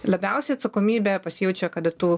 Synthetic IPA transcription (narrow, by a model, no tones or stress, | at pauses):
lˠɐbʲɛʊsʲɛjɐt̪sɐkoːmʲiːbʲepɐsʲɪjɛʊt͡ʃʲojɛkɐd̪ɐt̪uː